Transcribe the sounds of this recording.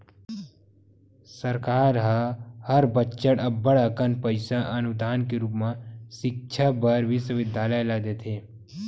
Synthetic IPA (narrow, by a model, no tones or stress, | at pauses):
səɾkaːɾɦahɐɾbətːʃəɽɐbːəɽakənpəɪsaʔɐnʊd̪aːnkeɾuːpmãʃɪk̚t͡ʃʰabɐɾʋɪswəʋɪd̪jaːləjlaːd̪eːt̪ʰeː